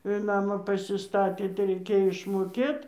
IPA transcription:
ɪr ˈnɑːmɑː pɐsʲɪˈstɑːtʲeː tɐɪ rʲɛɪˈkʲeːjoː ɪʃmoːˈkʲeːt

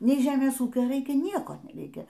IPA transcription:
nʲɛɪ ˈʒʲæːmʲeːs ˈuːkʲoː ˈrɐɪkʲɛ ˈnʲiɛkoː nʲɛˈrʲɛɪkʲɛ

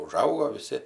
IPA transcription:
ʊˈʒɐʊɡoː ʋʲɪˈsʲɪ

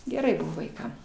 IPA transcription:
ɡʲɛˈrɐɪ ˈbʊʋoː ʋɐɪˈkɐm

